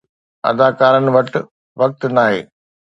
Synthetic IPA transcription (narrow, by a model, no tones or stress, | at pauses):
ɐ̰d̪aːkaːɾənɪ̆ʋɐʈ | ʋɐk̚t̪naːɦḛː